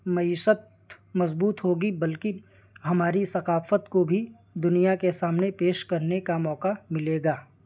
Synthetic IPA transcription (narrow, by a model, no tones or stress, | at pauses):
mɐiːʃət̪̚ | mɐzbuːt̪ɦoːɡibɐlki | ɦɐmaːɾisɐqaːfət̪kobʱi | d̪ʊnijakesaːmnepeːʃkɐɾnekamɔːqamɪleːɡaː